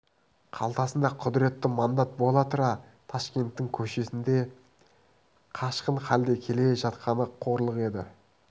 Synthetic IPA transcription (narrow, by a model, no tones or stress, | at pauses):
qʰɑ̰lˠt̪ɑsənd̪ɑqʰʊd̪ɪɾe̞t̪ːɪmɑnd̪ɑt̪̚bo̞lˠɑt̪əɾɑ | t̪ʰɑʃkʲe̞nt̪ːɪŋkʲʰɵʃe̞sɪnd̪e̞ | qʰɑʃqəɴχæld̪ekʲʰe̞le̞ʒɑt̪qɑnəqʰo̞ɾlˠəqe̞d̪ɪ̰